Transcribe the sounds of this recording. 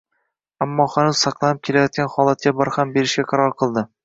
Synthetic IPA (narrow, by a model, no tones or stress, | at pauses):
amːɒχanuzsɑqlˠɑnɪp̚kʲʰe̞lajɒt̪̚kʲanχɒlˠat̪̚kʲabɒɾhambe̞ɾɪʃɡʲaqʰɑɾɒɾqʰɨlˠd̪ɪ